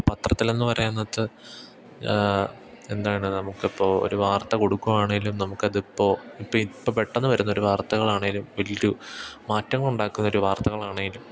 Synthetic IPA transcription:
pɐt̪rɐt̪ːile̞nːɨpɐɾɐjunːɐðɨ | e̞nd̪aːjɐɳɨnɐmukːipːo̞ːo̰ɾuʋaːrt̪ɐko̞ɽukːumaːɳeŋɡilumnɐmukːɐðipːo̞ːipːoːipːope̞ʈːɐnːɨʋɐɾunːɐo̞ɾuʋaːrt̪ɐɣɐɭaːɳeŋɡilumʋɐliɾumaːtːɐŋːɐɭuɳɖaːkːunːɐo̞ɾuʋaːrt̪ɐɣɐɭaːɳeŋɡilum

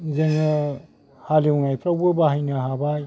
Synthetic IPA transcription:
zɯŋɯ | haliŋajpʰɾawbɯbaɦajnaɦabaj

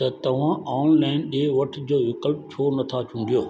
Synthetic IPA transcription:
t̪ɐt̪ɐʋ̤ãaːnlaːɪnɗeːʋɐʈʰd͡ʑoːʋɪkəlp̚t͡ɕʰoːnɐt̪ʰat͡ɕʰũːnd̪ijoː

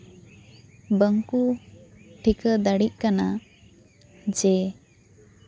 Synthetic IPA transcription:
bəŋku | ʈʰikəd̪əɽiʔ̚kana | d͡ʒɛ

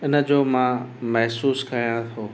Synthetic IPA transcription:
ɪnə̆d͡ʑoːmãːmɛɦsuːskɐɾijãt̪ʰoː

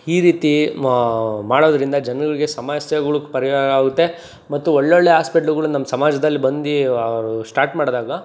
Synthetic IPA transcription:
iːɾiːt̪i | maːɽoːd̪ɾind̪ɐd͡ʒɐnɡɐɭiɡe̞sɐmaːsjɐɡɐɭupɐɾiaɡaːɡut̪ːe̞ | mɐt̪ːuoɭːeoɭːeɦaːspiʈɐluɡɐɭunɐmːɐsɐmaːd͡ʒɐd̪ɐlːibɐnd̪iɐʋɾusʈaːɾʈmaːɽd̪aːɡɐ

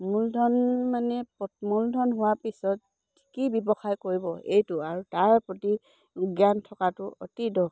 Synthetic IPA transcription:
muldʱɔnmanɛpɔmuldʱɔnɦʊwapisɔt̚ | tʰi̥kibibɔxajkoɹibɔejtʊaɹutaɹpɹoti | uɡjantʰɔkatʊo̰tidɔ

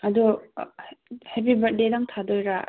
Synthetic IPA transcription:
ɐdu | hepibɐt̚dedaŋtʰadojɾa

